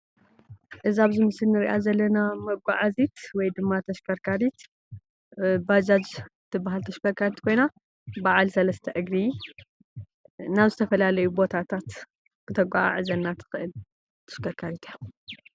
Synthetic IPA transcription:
ʔɨziaβzɨmɨsɨlnɨɾiʔazɐlːɐnamɐɡʷaʕazit̪wɔjd̪ɨmːat̪ʰɐʃkʰɐɾkʰaɾit̪ | bad͡ʒad͡ʒt̪ʰːɨbːaɦalt̪ʰɐʃkɐɾkʰaɾit̪kʰo̞jna | baʕalsɐlɐst̪ʰɐʔɨɡɾi | naβzɨt̪ʰɐfɐlalɐjubo̞t̪ʰat̪ʰat̪ | kʰɨt̪ʰɐɡʷaa̰ʕɨzɐnːat̪ʰɨ̥xɨʔɨl | t̪ʰɐ̥ʃkʰɐɾkʰaɾit̪ʰija

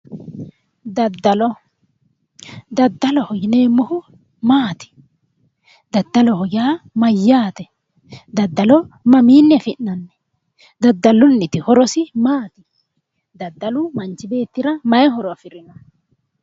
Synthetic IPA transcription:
d̪ɐd̪ːɐlɔ | d̪ɐd̪ːɐlɔhɔjɪneːmːɔhʊ | maːt̪ɪ̥ | d̪ɐd̪ːɐlɔhɔjaːmɐjːaːt̪ɛ | d̪ɐd̪ːɐlɔmɐmiːnːɛfɪnːɐnːɛ | d̪ɐd̪ːɐlʊnːɪt̪ɪhɔɾɔsɪmaːt̪ɪ | d̪ɐd̪ːɐlʊmɐnt͡ʃːɪbe̞ːt̪ːɪɾɐmɐjɛɦɔɾɔɐfɪɾɪnɐ

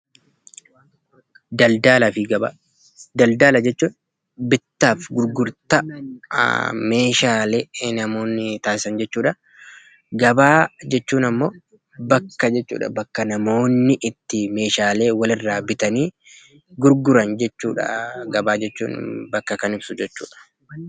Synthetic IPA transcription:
d̪ɐld̪aːlɐfɪɡɐba̰ | d̪ɐld̪aːlɐd͡ʒɛt͡ʃːuːn | bɪt̪ːaːfɡʊɾɡʊɾt̪ɐ | me̞ːʃaːleːnɐmo̞ːnːɪt̪aːsɪsɐnd͡ʒɛt͡ʃːuːᶑɐ | ɡɐbaːd͡ʒɛt͡ʃːuːnɐmːoː | bɐkːɐd͡ʒɛt͡ʃːṵːᶑɐ̰bɐkːɐnɐmo̞ːnːɪʔɪt̪ːɪme̞ːʃaːle̞ːwɐlɪrːaːbɪt̪ɐniː | ɡʊɾɡʊɾɐnd͡ʒɛt͡ʃːṵːᶑɐ̰ɡɐbaːd͡ʒɛt͡ʃːṵːnbɐkːɐkɐnɪbsʊd͡ʒɛt͡ʃːṵːᶑɐ̥

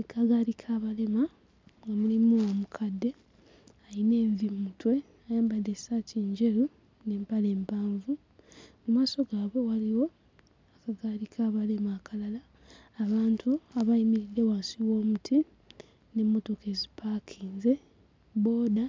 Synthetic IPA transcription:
ekʰaɡaɾikʰaːβale̞ma | wamulimuwamukʰadːe̞ | ajine̞ːvimutwe̞ | ajaːmbade̞satiːɲɟe̞ɾu | ne̞ːmpale̞ːmpaːɱvu | mumaːso̞ɡaːβo̞waliwo̞ | akaɡaɾikʰaːβale̞maːkʰalalaː | βaːntʰuaβaimiɾidːe̞waːnsiwo̞ːmutʰi | ne̞mːo̞to̞ke̞zipakʰiːnze̞ | bo̞ːda

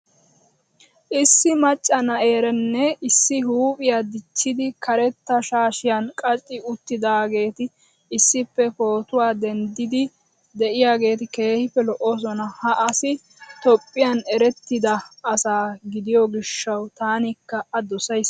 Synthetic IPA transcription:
ʔɪsːɪmɐt͡ʃʼːɐnɐʔe̞ːɾɛnːɛɪsːɪɦuːpʼɪjad̪ɪt͡ʃːɪd̪ɪkʰɐɾɛt̪ːɐʃaːʃɪjankʼɐt͡ʃʼːɪʊt̪ːɪd̪aːɡe̞ːt̪ɪː | sːɪpːɛpo̞ːt̪ʊwaːd̪ɛnd̪ɪd̪ɪ | d̪ɛʔɪjaːɡe̞ːt̪ɪke̞ːhɪpːɛlɔʔos̬ɔnɐhɐʔɐsɪ | t̪ɔpʼːɪjanɛɾɛt̪ːɪd̪ɐːsaːɡɪd̪ɪjɔɡɪʃːɐwt̪aːnɪkːɐɐd̪ɔsɐjs

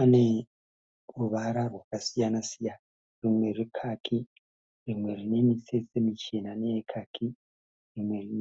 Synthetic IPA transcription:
ane | ruβaɾarwakasijanasijana | rimwe̞rikʰakʰi | rimwe̞ɾine̞miset͡semit͡ʃenaneekʰakʰi | rimwe̞ɾin

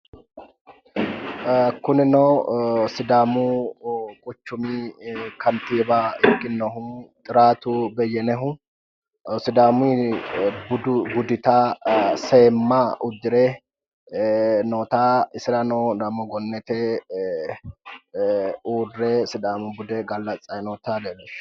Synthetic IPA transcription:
kʊnɪnɔwsɪd̪aːmuːkʼʊt͡ʃːʊmiːkʰɐnt̪iːbaːɪkʼːɪnːɔɦʊt̪ʼɪɾaːt̪ubɛjːɛnɛɦʊ | sɪd̪aːmi | bd̪ʊbʊd̪ɪt̪aseːmːaʊd̪ɪɾɛ | noːt̪aːɪsɪɾɐnɔd̪ɐmɔɡɔnːɛt̪ɛ | uːrːɛsɪd̪aːmʊbʊd̪ɛɡɐlːɐt͡sʼːɐjnɔːt̪aːd̪elɛʃ

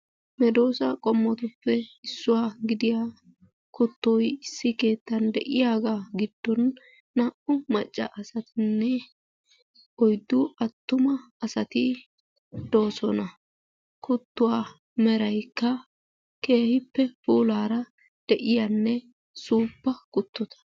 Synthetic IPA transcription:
mɛd̪o̞ːsɐkʼɔmːɔt̪ʊpːɛɪsːʊwaːɡɪd̪ɪjaː | kʊt̪ːɔjɪsːɪke̞ːt̪ːɐnd̪ɛʔɪjaːɡaɡɪd̪̥ːɔnː | ɐʔʊmɐt͡ʃʼːɐ̰ʔɐsɐt̪ɪnːɛ | ɔjd̪ːʊɐt̪ːʊmɐː | sɐt̪ɪ | d̪o̞ːsɔnɐ | kʊt̪ːʊwaː | mɛɾɐjkːɐ | ke̞ːhɪpːɛpuːlaːɾɐ | d̪̥ɛʔɪjɐnːɛ | suːpːɐkʊt̪ʰːɔt̪ʰɐ̥

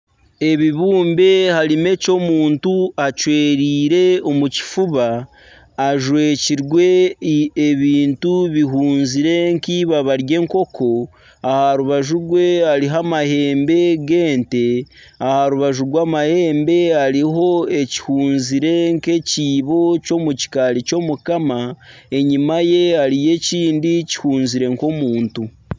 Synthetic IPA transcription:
e̞βiβuːmbe̞haɾime̞co̞muːntuat͡ʃwe̞ːɾiːɾe̞o̞muci̥fuβaː | ʒwe̞ːciɾɡwe̞ː | βiːntuβiɦuːnziɾe̞ŋkiβaβaɾje̞ːŋko̞kʰo̞ | ahaɾuβaʒuɾɡwe̞aɾiɦamahe̞ːmbe̞ɡe̞ːnte̞ | ahaɾuβaʒuɾɡwaːmahe̞ːmbe̞aɾiɦo̞e̞ci̥huːnziɾe̞ŋke̞ciːβo̞co̞muci̥kaɾico̞mukama | e̞ɲimaje̞aɾije̞ciːndici̥huːnziɾe̞ŋko̞muːntu

